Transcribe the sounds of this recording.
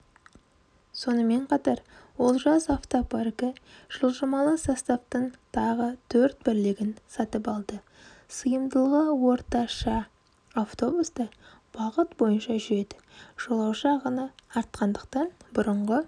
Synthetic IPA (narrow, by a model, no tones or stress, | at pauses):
so̞nəme̞ɴqʰɑt̪ɑɾwo̞lˠʒɑsaft̪oparkəʒ̥əlˠʒəmɑlˠəsɑst̪aft̪əɴt̪ʰɑʁət̪ʰɵɾt̪̚bɪɾlɪɡʲɪnsɑt̪əpɑlˠd̪ə | səjəmd̪əlˠəwo̞ɾt̪ɑʃɑ | aft̪o̞busd̪ə | b̥ɑʁət̪bo̞jənʃɑʒʏɾe̞d̪ɪ̥ʒ̥o̞lˠɑwʃɑʁənɑɑɾt̪qɑnd̪əq̚t̪ɑnbʊɾəɴʁə